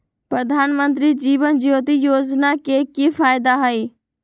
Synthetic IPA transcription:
pɾəd̪ʱaːnmənt̪̬ɾid͡ʒiːʋənd͡ʒɪjoːt̪̬ijoːd͡ʒnakekifaːjd̪aɦaiː

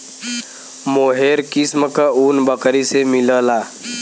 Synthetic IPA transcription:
moːɦeːɾkisməkəuːnbəkəɾisemɪləlaː

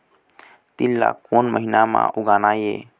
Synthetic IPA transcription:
t̪ilːa̰konməɦinamã̰uɡaːnajḛ

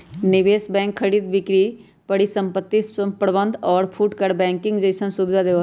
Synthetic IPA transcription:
nɪʋeːsbɛ̃ːŋkʰːəɽiːd̪ʋɪkɾi | pəɽisə̃mpət̪ːipɾəbə̃nd̪ʱɔːɾpʰuːʈkəɾbɛ̃ːŋkɪ̃ŋɡd͡ʒəɪsə̃nsubɪd̪ad̪eʋ

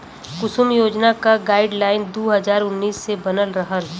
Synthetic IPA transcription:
kʊsʊmjoːd͡ʒnakaɡaːɪɖlaːɪnd̪oːɦɐzaːɾʊnːiːsːebɐnəlɾəɦəl

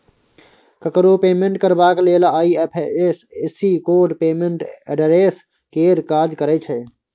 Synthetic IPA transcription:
kəkɾoːpeːmẽɳʈkəɾbaːkleːlaaːiːepʰesesiːkoːɖpeːmẽɳʈeɖəɾeːs | keːɾkaːd͡ʒkəɾeːt͡ʃʰeː

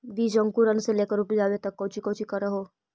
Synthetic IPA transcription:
biːd͡ʒə̃ŋkuɾənseleːkəɾʊpid͡ʒaːʋet̪ɐkːɔ̃ːt͡ʃikɔ̃ːt͡ʃikɐɾːəɦoː

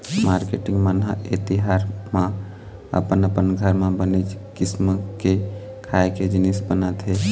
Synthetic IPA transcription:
maɾkeʈiŋɡmənɦə̰ḛt̪iɦaɾmã | ə̰pənəpənɡʱəɾmabəned͡ʒkisməke | kʰaeked͡ʒinisbənat̪ɦe

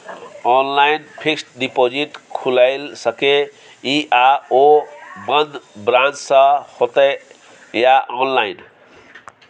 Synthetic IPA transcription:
ɔnlajnpʰiksʈɖipod͡ziʈkʰulajlsʌke | iʔaobʌnd̪bɾant͡ssʌhot̪ʌ | jaʔɔnlajn

